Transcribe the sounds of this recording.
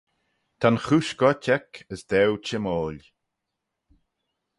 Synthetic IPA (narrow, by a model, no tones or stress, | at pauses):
t̪ʰanxuʃɡɔtʲʰɛkʰəsd̪ɛwt͡ʃɪmoːl